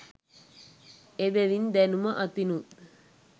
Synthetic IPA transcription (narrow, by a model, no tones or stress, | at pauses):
ebɛʋind̪ænuməʔat̪inu